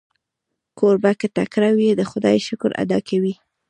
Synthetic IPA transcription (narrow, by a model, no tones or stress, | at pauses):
koɾbaket̪akɾawied̪əxʊd̪ɑjʃʊkɾa̰d̪ɑkʰawi